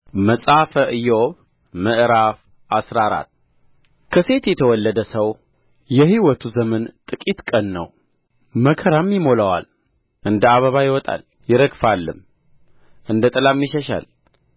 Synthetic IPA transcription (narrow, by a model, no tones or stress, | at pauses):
məsʼafəʔɨjːɛoβ | məʔɾaf | ʔasɾaɾa̰t̪ː | kʰəse̞t̪jɛt̪ʰəwɔlːəd̪əsəw | jɛhiwɔt̪ʰuzəmənt̪ʼɨkʼit̪kʼənːə̰w | məkʰəɾamːjɪmoləwa̰l | ʔɨnd̪əaβəβajɪwɔt̪ʼa̰l | jɪɾəɡfalːɨm | ʔɨnd̪ət̪ʼɨlamːiʃəʃa̰l